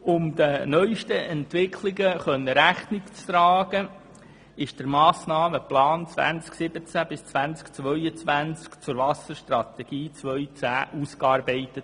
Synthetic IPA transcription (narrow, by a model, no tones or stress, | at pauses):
ʊmd̪ənœʏʃtəʔɛntʋɪkʰlɪɡəχœnːəɾæχnɪkt͡st̪ɾɑːɡ̥ə | ɪʃd̥əɾmɑːsnɑːməplɑːnt͡svʋæ̰nt͡sksɪb̥ət͡sæb̥ɪst͡sʋænt͡skt͡sʋœʏət͡sʋænt͡skt͡sʊɾvɑsəɾʃtrɑt̪ɛɡ̥iːt͡sʋœʏt͡sæːʔuskɑːɾbɛɪtət